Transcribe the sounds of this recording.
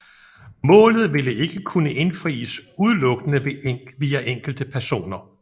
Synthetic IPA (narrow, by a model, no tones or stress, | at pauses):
mɔ̰̽ːlð̞̩ˠʋe̝ləe̝ɡ̥əkʰunəʔe̝nfʁḭːəsuð̞ˠlɔ̽ɡ̥ənəʋiːæʔeŋ̰ɡ̥ld̥əpʰæɐso̝̰ːnɐ